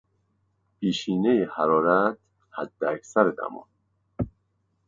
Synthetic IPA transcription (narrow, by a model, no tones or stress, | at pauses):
pʰiːʃiːnejehæɾɒːɾæt̪ | hæd̪ːeæcʰsæɾed̪æ̰mɒ̰n